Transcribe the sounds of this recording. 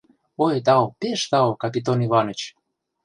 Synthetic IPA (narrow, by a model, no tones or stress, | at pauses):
ojt̪ɑopeʃt̪ɑokɑp̬ʲit̪onivɑnə̆t͡ɕ